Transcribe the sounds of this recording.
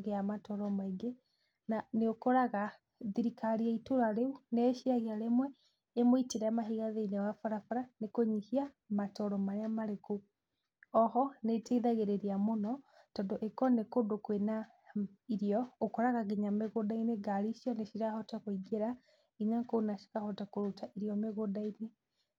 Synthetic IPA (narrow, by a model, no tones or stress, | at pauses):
ɣeamatɔɾɔmaiɡe | naneokɔɾaɣa | ðiɾikaɾiaitoɾaɾeuneːʃiaɣeaɾemwɛː | moiteɾɛamaɦiɣaðeinewafaɾafaɾanekoɲihia | matɔɾɔmaɾeamaɾeku | ɔɦɔneteiðaɣeɾeɾiamonɔ | tɔndoʔekɔnekodokwena | iɾiɔːkɔɾaɣaɡiɲameɣodaineɡaɾiʃiɔneʃiɾahɔtakwoiɡeɾa | iɲaŋkoːnaʃi̥kahɔtakoɾutaʔiɾiɔmeɣodaine